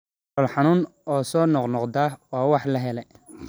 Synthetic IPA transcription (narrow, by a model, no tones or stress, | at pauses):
ɔlħɑnuːnɔːsɔːnɔqnɔqd̪aːwɑːwɑħlɐɦɛlɛ